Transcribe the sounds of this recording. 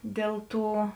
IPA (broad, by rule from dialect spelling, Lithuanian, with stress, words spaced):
ˈdʲeːlˠ ˌtuː